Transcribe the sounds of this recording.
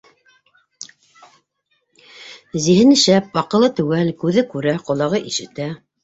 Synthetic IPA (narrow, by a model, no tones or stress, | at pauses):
ziɦɘnɘ̆ʃæp̚ɑqɤ̆lˠɤt̪ʉwælkʉðɘkʉɾæqŏlˠɑʁɤʔiʃɘ̆t̪æ